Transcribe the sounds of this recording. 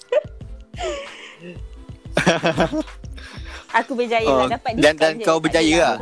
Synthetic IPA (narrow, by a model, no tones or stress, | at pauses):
akubəd͡ʒajɔaadandankawbəd͡ʒajəa